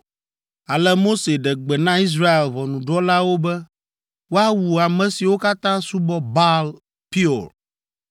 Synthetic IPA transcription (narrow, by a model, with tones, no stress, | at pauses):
a˨lɛ˦mo˦se˨ɖɛ˨ɡ͡bɛ˨nã˦i˦s̬ɾa˦e˨lβɔ˨nũ˨ɖɔ˦la˦wo˦bɛ˦ | wo˦a˦wu˨a˨mɛ̃˨si˨wo˦ka˦t̪ã˦su˦bɔ˦ba˦l | pi˦ɔ˨ɾ